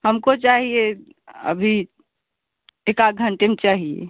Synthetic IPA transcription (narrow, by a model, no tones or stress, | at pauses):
həmkot͡ʃaɦie | ə̰bʱi | ekaɡʱəɳʈemet͡ʃaɦiḛ